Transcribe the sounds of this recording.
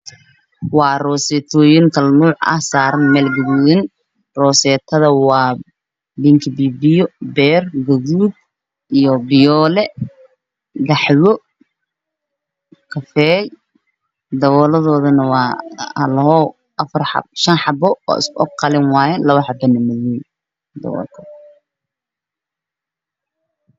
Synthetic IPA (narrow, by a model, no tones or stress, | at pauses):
wɑːrɔːsɛt̪ʰɔːjɪŋkʰɐlmuːʕɐ̰hsaːɾɐnmɛːlɡɐðujɪn | rɔːsɛːt̪ʰɐðɐwɑː | biŋkʰɪbibijɔbɛːrɡɐɣuːd̪̚ | ijɔbɪjɔːlɛ | ɡɑħwɔ | kʰɐfɛːj | d̪ɐβɔːlɐðɔːðɐnɐwɑːɐlɦɔ | ɐfɐrɑ̰ʃɐnħɑbɔɔ̰ːɪ̰skʔɔɡ̚qɑlɪnwɑːjɛlɐβɐħɑbɐnɐmɐð | d̪ɐ̰βɔ̰ːlkʰɐ̥